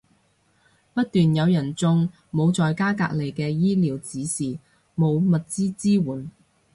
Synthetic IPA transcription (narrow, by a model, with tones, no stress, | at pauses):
pɐ˥t̚t̪yː˨njɐ˨˧wjɐ˨˩nt͡sʊ˥ŋ | mo˨˧wt͡sɔː˨˧jkaː˥ka̰ː˧k̚le˨jkɛː˧jiː˥liː˨˧wt͡siː˨˥siː˨ | mo˨˧wmɐ˨t̚t͡siː˥t͡siː˥wuː˨˥n